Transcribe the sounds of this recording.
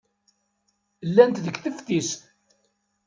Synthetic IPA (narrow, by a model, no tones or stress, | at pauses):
lːænt̪ðəɡθəft̪ist̪